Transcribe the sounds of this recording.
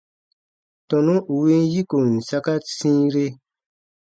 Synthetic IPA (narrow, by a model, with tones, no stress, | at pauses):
tɔ̃˨nũ˦ʔu˨we˦n˦ji˦ko˨n̩˨sa˦ka˦sĩː˦ɾe˦